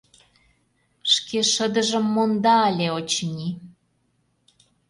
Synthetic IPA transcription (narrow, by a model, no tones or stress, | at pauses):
ʃkeʃəd̪ə̆ʒə̆mːond̪ɑːlʲeot͡ɕnʲi